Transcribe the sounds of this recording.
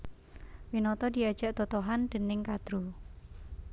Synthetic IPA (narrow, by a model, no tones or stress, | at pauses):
winɔt̪ɔd̪iad̥ʒ̥aʔt̪ɔt̪ɔɦand̪̥ə̤nɪŋkad̪̥ɾu